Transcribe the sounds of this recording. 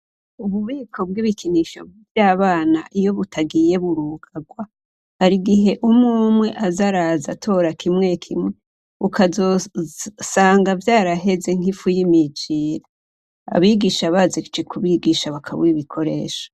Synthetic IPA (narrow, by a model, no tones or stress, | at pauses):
uβuβiːkʰo̞b̚ɡiβikʰiniːʃo̞̰bivjaːβaːna̰ʔijo̞βutʰaɡiːje̞βuɾuːɡaɡwa | haɾiɡiɦe̞ʔumŋuːmŋwe̞ʔazaɾaːzatʰo̞ːɾakʰimŋe̞kʰimŋe | ukʰazo | saːŋɡavjaːɾaɦe̞ze̞ŋ̥ifujimid͡ʒiːɾa | a̰βiɡiːʃaβazed͡ʒekʰuβiɡiʃaβakʰa̰βwiβikʰo̞ɾḛːʃo̥